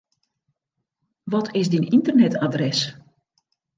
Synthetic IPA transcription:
ʋɔtʰɪsdinintərnɛtʰadrɛs

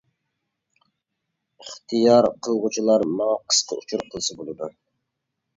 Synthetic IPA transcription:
əχt̪ʰijɑɾqʰəlˠʁut͡ʃʰulˠɑɾmɑŋɑqʰə̥sqʰə̰ut͡ʃʰuɾqʰəlˠsɨbolˠɨd̪u

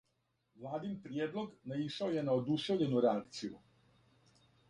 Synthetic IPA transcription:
ʋlˠaːd̪impɾjeːd̪lˠo̞ɡnaiʃaoje̞naod̪uʃe̞ʋʎe̞nuɾeakt̪sijṵ

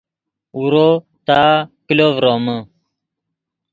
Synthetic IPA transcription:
uɾo | t̪aːkilovɾoːmə

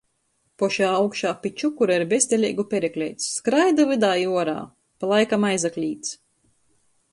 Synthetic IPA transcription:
pɔʃaːawkʃaːpʲit͡ʃukuɾaiɾbʲest̪ʲelʲḭːɡupʲɛɾɛklʲɛjt̪sːkɾajd̪uvɨd̪aːjuɔɾa̰ː | palˠajkamajzaklʲiːt̪s

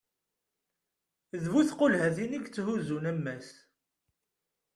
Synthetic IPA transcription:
ðvuθqʊlhæθiniɡt͡sːhuzunæmːæs

